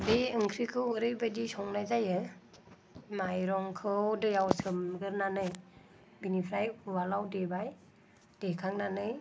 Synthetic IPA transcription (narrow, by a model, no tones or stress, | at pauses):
deɯŋkʰɾikʰɯwɾɯjbadisɔŋnajzajɯ | majɾɔŋkʰɯwdɯjawsɯmɡɯɾnanɯj | binipʰɾajuwalawdebaj | d̥ekʰaŋnanɯj